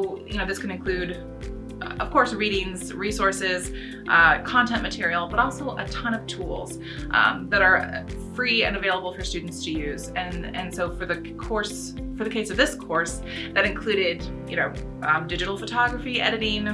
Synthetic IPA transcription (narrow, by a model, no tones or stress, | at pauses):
jɨnoʊðɪskʰɨ̃nɨ̃nkʰl̥ʉɾ | ʌv̥kʰɔɹsɹiɾɪ̃ŋz̥ɹisɔɹsɪz̥ | ʔʌkʰɑ̃ntʰɛ̃nmɨtʰɪɹil̩ˠbʌɾɔlˠsoʊʔətʰʌ̃ɾ̃ʌv̥tʰulˠz̥ | ʔʌ̰̃mðɨɾə˞fɹiɨ̰̃nɨveɪlˠəbl̩ˠfə˞stʉdⁿn̩tstʰɨjʉzɨ̃nɨ̰̃nsoʊfə˞ðɨ | kʰɔɹs | fə˞ðɨkʰeɪsʌvðɪskʰɔɹs | ðɨɾɨ̃nkʰl̥ʉɾɪdjɨ̰ñoʊ | ʌdɪd͡ʒɨɾl̩ˠfɨtʰɑɡɹɨfiɛ̰ɾɨɾɪ̃ŋ